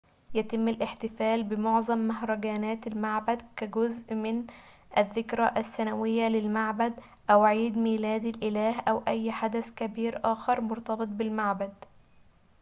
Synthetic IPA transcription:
jat̪ɪmːalʔɪħt̪ɪfæːlbɪmʊʕzˤɑmːaɦɾˤɑɡaːnæːt̪almaʕbad̪kæɡʊzʔmɪn | ʔaðːɪkɾæʔasːænawɪjːalɪlmaʕbad̪ | ʔæwʕiːd̪miːlæːd̪ɪlʔɪlæːɦʔæwʔæjːħad̪askabiːɾʔaːxɑɾˤmʊɾt̪ɑbɨt̪̚ˤbɪlmaʕbad̪

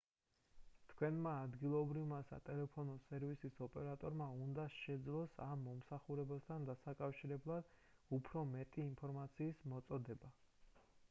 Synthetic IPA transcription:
t̪ʰkʰwɛnmaːd̪ɡilˠɔbɾivmasa̰t̪ʼɛlɛpʰɔnɔsɛɾvisisɔpʼɛɾat̪ʼɔɾmaund̪aʃɛd̪zlˠɔsamːɔmsaχuɾɛbast̪ʰand̪asakʼafʃiɾɛblˠad̪̥upʰɾɔmɛt̪ʼiːmpʰɔɾmat̪sʰiːsmɔt̪sʼɔd̪ɛba

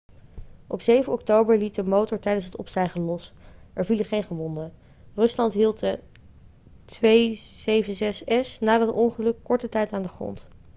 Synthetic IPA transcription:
ʔɔpsejvənɔktowbəɹlit̚dəmowtɔɹtɛjdənsɦətɔ̰pstɛjχəlɔsʔɛɹviləχejnχəʋɔndə | rɵslɑntɦilˠtə | tʋejzejvənzɛsɛsnaːdɑtɔŋχəlɵkːɔɹtətɛjtaːndəχrɔ̰nt

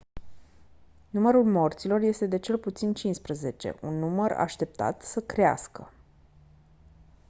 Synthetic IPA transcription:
numəɾulmo̞rt̪silo̞rje̞st̪e̞d̪e̞t͡ʃe̞lput̪sint͡ʃinspɾəze̞t͡ʃe̞̰ʔunːuməra̰ʃt̪e̞p̚t̪a̰t̪səkɾea̰skə

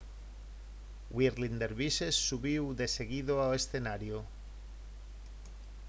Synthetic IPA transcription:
wiɾlind̪eɾβisesːuβiwðe̞se̞ɣiðoawesθe̞naɾjo

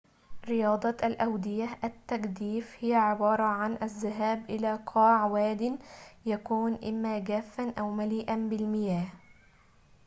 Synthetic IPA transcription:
ɾɪjɑːd̪ˤɑʔalʔawd̪ɪjaʔæt̪ːaɡd̪iːfhɪjaʕɪbɑːɾˤɑʕanʔazːaɦæːbʔɪlaːqʰɑːʕwæːd̪ɪnjakuːnʔɪmːaːɡæːfːanʔawmaliːʔanbɪlmɪjæːh

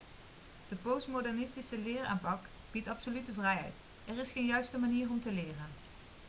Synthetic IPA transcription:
d̥əpowsmodɛɹnɪstisəlɪːra̰ːmpɑk | b̥itɑpsolytəvrɛjɦɛ̰jt | ɛrɪsχeːnjœɥstəmaniːrɔmtəlɪːrən

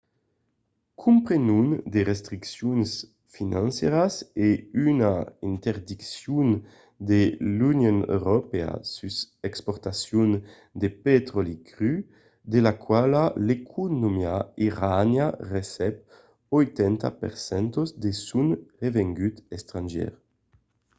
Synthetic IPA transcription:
kʰumpɾenund̪eʁest̪ɾiksjuns | finãnsjeɾaseynaint̪eɾd̪iksjun | d̪elunjonø̰ɾopea̰sysekspɔɾt̪asjun | d̪epet̪ɾolikʁy | d̪elakwalalekʰunomjaiʁanjaresɛp | ojt̪ɛnt̪a̰pḛʁsɛnt̪ozd̪esunʁeveŋɡyt̪est̪ɾanʒɛ̰ʁ

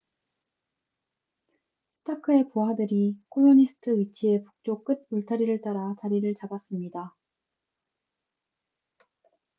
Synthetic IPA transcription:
sʰɯ̥tʰakʰɯe̞puɦadɯɾikʰoɭːoɲisʰɯ̥tʰɯit͡ɕʰie̞pu̥k̚t͡ɕ͈ok͈ɯt̚puɭtʰaɾiɾɯɭt͈aɾat͡ɕaɾiɾɯɭt͡ɕabas͈ɯmɲida

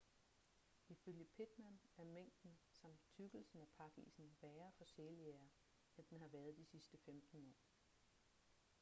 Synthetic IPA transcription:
iføljəpʰed̥mænæɐmeŋ̰d̥n̩sɑ̈m̰d̥t͡sʰyɡ̥l̩sn̩æpʰɑ̈ɡ̥ḭːsn̩ʋɛːɐfɒ̽seleɐ | end̥enɦɑ̈ʋæɐð̞̩ˠd̥isisd̥əfemd̥n̩ɒ̰ː

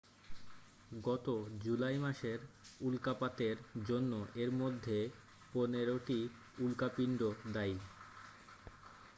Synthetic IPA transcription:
ɡɔt̪od͡ʑulajmaʃeɾulkapat̪eɾd͡ʑonːoʔeɾmod̪ʱːe | poneɾoʈi | ulkapiɳɖod̪aj

